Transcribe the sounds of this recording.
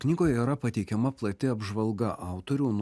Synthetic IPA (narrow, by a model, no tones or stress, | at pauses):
knʲɪɡoːjɛiːɾɐpɐt̪ʲɛɪkʲɛmɐplˠɐt̪ʲɪɐbʒʋɐlˠɡɐʔɑˑʊt̪oːɾʲuːn